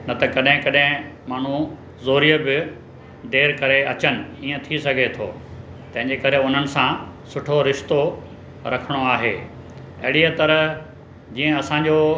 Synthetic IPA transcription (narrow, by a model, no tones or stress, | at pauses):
nɐt̪ɐkɐɗɦɪ̃kɐɗɦɪ̃maːɳ̤u | zoːɾijəbɪ | d̪eːɾkɐɾeɐt͡ɕənɪ̆iːə̃t̪ʰisɐɡʱet̪ʰo̰ː | t̪ɐ̃ɦɪ̃ɲd͡ʑekɐɾeʊn̤ənɪ̆sãsʊʈʰoɾɪʃt̪o | ɾɐkʰəɽ̃oaːɦḛː | ɐ̰ɦɪɽiət̪ɐɾə | d͡ʑiːə̃ɐsãɲd͡ʑoː